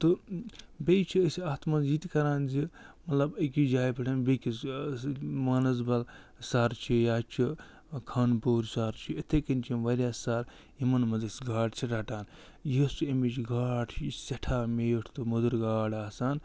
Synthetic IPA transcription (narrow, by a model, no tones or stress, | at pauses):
t̪o | bʲejt͡ʃʰiəsiaːt̪mɐnziːt̪kɐɾaːnzimɐt̪lɐbɐkʲid͡ʒaːjpɐʈʰɐnbekis | maːnɐzbɐlsaɾt͡ʃʰijaːt͡ʃʰi | kʰaːnpoːɾʲsaɾt͡ʃʰiɐt̪ʰekɐnt͡ʃʰinʋɐɾʲjaːsaɾ | imɐnmɐd̪ɐsɡaːʈt͡ʃʰiɾaʈaːn | jisuemit͡ʃɡaːʈʰt͡ʃsɐʈʰaːmejoʈʰt̪umud̪ɐɾɡaːɽaːsaːn